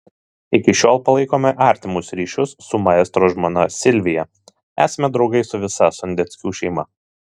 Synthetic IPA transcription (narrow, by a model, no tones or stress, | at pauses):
ɪkʲɪʃʲoːlˠpɐlˠɐɪkoːmʲɛʔɑːˑɾʲt̪ʲɪmʊsɾʲiːʃʲʊsːʊmɑɛst̪ɾoːʒmonɐsʲɪlʲʋʲɪjɛ | æ̰ːsɐmʲɛd̪ɾɒʊɡɐɪsʊʋʲɪsɐsʊnʲd̪ʲɛt̪sʲkʲuːʃʲɛɪmɐ